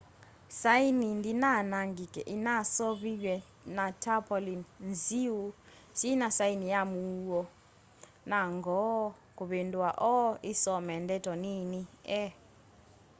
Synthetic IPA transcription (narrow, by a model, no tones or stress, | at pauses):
sainindinanaŋɡikʼɛ̰ʔinasɔɓik̬ɛ | natʰapʰɔlinnziwu | sinasainijamuwɔ | naŋɡʱɔ | kʼuɓentʼuwaʔɔisɔmɛndɛtʰɔniniɛ